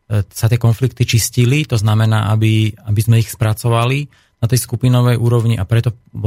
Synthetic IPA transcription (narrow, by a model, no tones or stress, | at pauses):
sat̪ɪɛkɔnflik̚t̪it͡ʃiscilit̪ɔznamɛna̰ːʔabiabizmɛixspɾat͡sɔʋali | nat̪ɛjskupinɔʋɛjʔuːɾɔʊɲiʔapɾɛt̪ɔ